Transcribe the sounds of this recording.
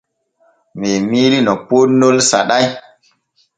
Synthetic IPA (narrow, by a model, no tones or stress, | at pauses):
memiɾinɔponolsa̰ɗaj